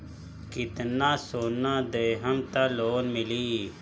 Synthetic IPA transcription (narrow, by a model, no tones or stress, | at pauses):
kɪt̪naːsoːnãːd̪eːɦəmt̪aloːnmɪliː